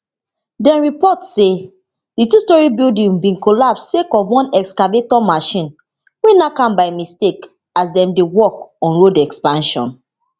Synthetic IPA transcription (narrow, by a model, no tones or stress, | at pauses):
dɛ̃nɹipɔtse | ditustɔɹibildĩŋbĩnkɔlapsːekɔvwɔ̃nɛkskavetɔmaʃĩn | wenakãmbaɪmistek | asdɛ̃mdewɔkɔ̃nɹodɛkspãnʃɔ̰̃n